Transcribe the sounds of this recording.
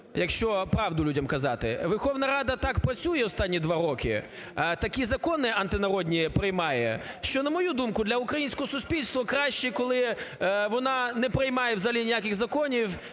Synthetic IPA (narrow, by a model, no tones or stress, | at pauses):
jɐkʃt͡ʃɔpɾɑʋd̪ʊlʲudʲɐmkɐzɑt̪ɪ̰ʋɛrxɔʋnɐɾɑd̪ɐt̪ɑkpɾɐt͡sʲujɛɔst̪ɑnʲːid̪ʋɑɾɔkɪ̰ | t̪ɐkizɐkɔnɪʔɐnt̪ɪnɐɾɔdʲnʲipɾɪjmɑjɛ̰ | ʃt͡ʃɔnɐmɔjud̪umkʊd̪lʲɐʊkɾɐjinʲsʲkɔɦɔsʊsʲpʲilʲst̪ʋɔkɾɑʃt͡ʃikɔlˠɪʋɔnɑnɛpɾɪjmɑjɛwzɐlʲinʲijakɪɣzɐkɔnʲiw